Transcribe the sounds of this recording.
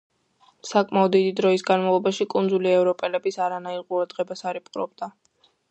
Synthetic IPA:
sakʼmaɔd̪ːid̪id̪ɾɔisɡanmavlˠɔbaʃikʼund̪zuliɛvɾɔpʼɛlɛbisaɾanaiɾqʼuɾad̪̥ʁɛbasaɾɛpʼqʼɾɔ̰bd̪a

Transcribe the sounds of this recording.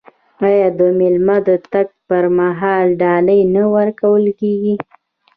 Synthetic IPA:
ɑjɑd̪əmɪlmad̪ət̪aɡ̚pəɾmaɦɑlɖɑləjnawaɾkawəlkeɡi

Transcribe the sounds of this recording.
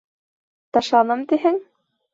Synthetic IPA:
t̪ɑʃɑnɤmt̪iɦɘŋ

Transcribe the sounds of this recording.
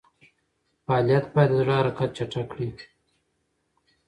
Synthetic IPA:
fɑlijat̪̚bɑjad̪əzʐəhaɾɑqat̪̚t͡ʃaʈ͡ʂakɽi

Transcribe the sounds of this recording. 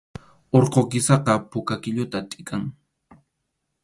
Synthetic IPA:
oɾqokɪsɑqɑpʊkakɪʎʊt̪at̪ʼɪkʰaŋ

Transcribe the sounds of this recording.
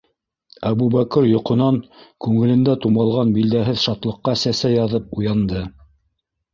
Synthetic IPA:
æβubækɤɾjŏqŏnɑŋkʉŋɘ̆lɘ̆nd̪æt̪umɑlˠʁɑnbild̪æɦɘðʃɑt̪lˠɤ̆qːɑsæsæjɑðɤpujɑnd̪ɤ

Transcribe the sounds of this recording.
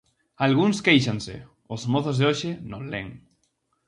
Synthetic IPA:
alɣ̞uŋskejʃansḛ | ozmoθozðeoʃenõnlḛŋ

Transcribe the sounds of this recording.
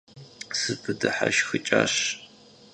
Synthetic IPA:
sɨpʰɨdɨħaʃxɨt͡ʃʼaɕ

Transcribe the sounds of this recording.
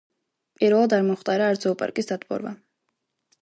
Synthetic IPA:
pʼiɾvɛlˠad̪aɾmɔχt̪ʼaɾaːɾd̪zɔupʼa̰ɾkʼisd̪ad̪ʼbʼɔ̰ɾva̰

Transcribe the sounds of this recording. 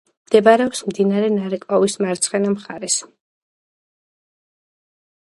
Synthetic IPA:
md̪̥ɛbaɾɛɔpsmd̪inaɾɛnaɾɛkʼɔvismaɾt̪sʰχɛnamχaɾɛs

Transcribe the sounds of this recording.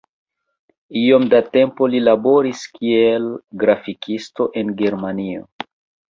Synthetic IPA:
io̞mdate̞mpo̞lilabo̞ɾiskʰielɡɾafikʰisto̞ʔe̞nɡe̞ɾmanio̰

